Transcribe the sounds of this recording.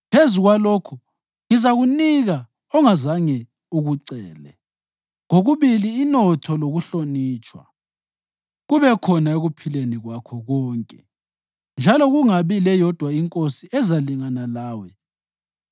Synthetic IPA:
pʰezuɣwaloːkʰu | ŋizaɣuniɣa | ɔŋazaŋɛ | uɣuǀɛːlɛ̰ | ŋoɣuβiliːnɔtʰɔloɣuɬoniːt͡ʃʼwa̰ | ɣuβɛkʰɔnaeɣupʰileniɣwakʰɔɣɔːŋkʼɛ | nd͡ʒʱalɔɣuŋaβilɛjɔd̥ʱwaiŋkʼosiɛzaliŋanalaːwɛ

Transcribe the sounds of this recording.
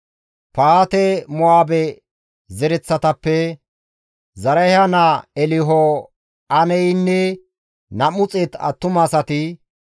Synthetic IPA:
paːt̪ɛmɔaːbɛ | zɛɾɛt͡sːɐt̪ɐpːɛ | zɐɾɐjhɐnaɛlɪɦɔ | ɐnɛjnːɛ | nɐmʊt͡sʼɛt̪ɐ̰t̪ːʊmɐsɐt̪ɪ

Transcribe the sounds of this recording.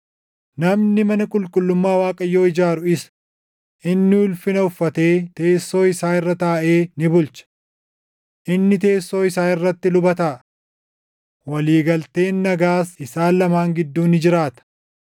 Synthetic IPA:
nɐmnɪmɐnɐkʼʊlkʼʊlːʊmːaːwaːkʼɐjːo̞ːɪd͡ʒaːɾʊɪsɐ̥ | ʔɪnːɪʊlfɪnɐʊfːɐt̪e̞ːt̪e̞ːsːo̞ːɪsaːɪrːɐt̪aːʔe̞ːnɪbʊlt͡ʃɐ̥ | ʔɪnːɪt̪e̞ːsːo̞ːɪsaːnɪrːɐt̪ːɪlʊbɐt̪aː | wɐliːɡɐlt̪e̞ːnːɐɡaːsɪsaːlɐmaːŋɡɪd̪ːuːnɪd͡ʒɪɾaːt̪ɐ̥

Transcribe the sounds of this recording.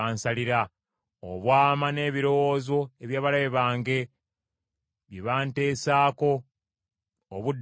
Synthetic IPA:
aːnsaliɾa | o̰βwaːmane̞ːβiɾo̞wozo̞eβjaːβalaβeβaːŋɡe̞ | βjeβaːnte̞ːsaːko̞ | βud

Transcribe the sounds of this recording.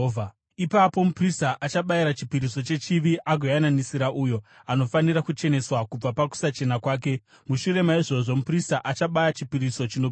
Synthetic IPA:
ipapo̞mupristaʔat͡ʃaɓaiɾat͡ʃipiɾiso̞t͡ʃe̞t͡ʃiʋiʔaɡʱejananisiɾaʔujo̞ano̞faniɾakut͡ʃe̞ne̞swakub͡vapaku̥sat͡ʃe̞nakwaːk̬e̞ | muʃuɾe̞maiʐo̞ʐo̞mupristaʔat͡ʃaɓajat͡ʃipiɾiso̞t͡ʃino

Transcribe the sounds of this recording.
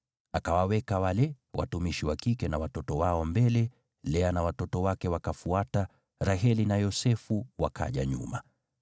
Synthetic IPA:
akawawɛkawalɛ | wʔa̰tumiʃiwakikɛnawatɔtɔwaɔmbɛlɛ | lɛanawatɔtɔwakɛwakafuata | ɾaɦɛlinajɔsɛfuwakʰa̰ʄa̰ɲṵma̰

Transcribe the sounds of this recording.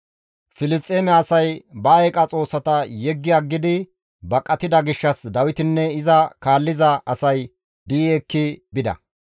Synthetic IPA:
fɪlɪs̬t̪ʼːeːmɛɐsɐjbɐɛkʼɐt͡sʼo̞ːsːɐt̪ɐjɛɡːɪaɡːɪd̪ɪ | bɐkʼːɐt̪ɪd̪ɐɡɪʃːɐsd̪ɐwɪt̪ɪnːɛɪzɐkaːlːɪzɐʔɐsɐj | d̪iːɛkːɪbɪd̪ɐ̰

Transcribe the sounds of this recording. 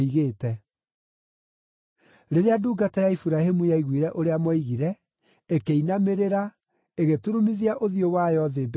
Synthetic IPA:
iɣeːtɛ | ɾeɾeaduːɡatajaifuɾahemujaiɣwiɾɛʔoɾeamɔiɣiɾɛ | ekeinameɾeɾa | eɣetuɾumiðiaʔoðijowajɔðeb

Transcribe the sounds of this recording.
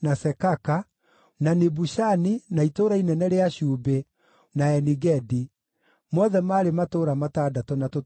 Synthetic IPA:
nasɛkaka | nanebuʃaninaitoɾainɛnɛɾeaʃube | naɛniɡɛdi | mɔðɛmaːɾematoːɾamataːdatɔnato

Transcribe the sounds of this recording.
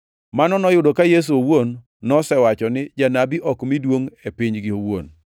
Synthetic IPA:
manɔnɔjʊdokajes̬uowonː | ɔsɛwat͡ʃɔnɪd͡ʒanabiʔɔkmidwoŋepɪɲɡɪowo̰n

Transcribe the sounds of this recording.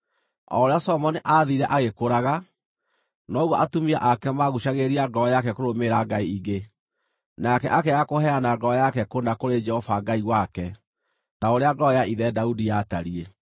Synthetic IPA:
ɔ̰ɾeasɔmɔniʔaːðiɾɛʔaɣekoɾaɣa | nɔɣuɔʔatumiaʔakɛmaɣuʃaɣeɾiaɡɔjakɛkoɾomeɾaɡaiiɡe | nakɛʔakɛakohɛanaɡɔjakɛkonakoɾed͡ʒɛhɔfaɡaiɣwakɛ | taoɾeaɡɔjaiðɛdaudijataɾie

